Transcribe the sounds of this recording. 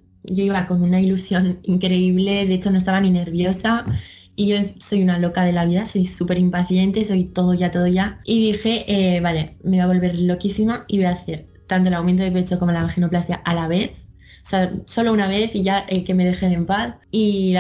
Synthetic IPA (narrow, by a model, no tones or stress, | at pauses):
ɟ͡ʝoiβako̞nunailusjo̞niŋkɾe̞iβ̞le̞ðe̞et͡ʃo̞no̞est̪aβanine̞ɾβjo̞sa | iʝo̞so̞junalo̞kað̞e̞laβ̞iðaso̞jsupe̞ɾimpaθje̞nt̪e̞so̞jt̪o̞ð̞oʝat̪o̞ð̞oʝaiðixe̞ʔeβale̞me̞βaβ̞o̞lβe̞ɾlo̞kisimaiβo̞jaθe̞ɾ | t̪ant̪olawment̪̬oepe̞t͡so̞ko̞molamaxino̞plast̪ikaʔalaβ̞e̞θ | oseaso̞lo̞unaβ̞e̞θiʝaʔeke̞me̞ð̞e̞xeðe̞mpaθ | i